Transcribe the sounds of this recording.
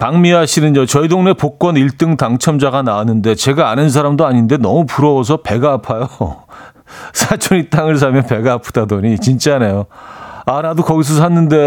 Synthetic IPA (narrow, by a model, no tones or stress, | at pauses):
paŋmiɦaɕʰinɯnd͡ʑot͡ɕʌidoŋne̞pok͈wʌniɭt͈ɯŋtaŋt͡ɕʰʌmd͡ʑaɡanaanːɯnde̞t͡ɕe̞ɡaːnɯns̬ʰaɾamdoaɲinde̞nʌmupuɾʌos̬ʰʌpe̞ɡaːpʰajo | sʰat͡ɕʰoɲit͈aŋɯɭs̬ʰamjʌnpe̞ɡaːpʰɯdadʌɲit͡ɕint͡ɕ͈anejoanadokʌɡis̬ʰʌsʰanːɯnde̞